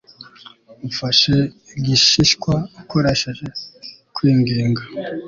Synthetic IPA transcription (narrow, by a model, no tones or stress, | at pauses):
ufaʃe | iɟiʃiʃkwaːkʰoɾeʃeʒe̞kwiːŋɡiːŋɡa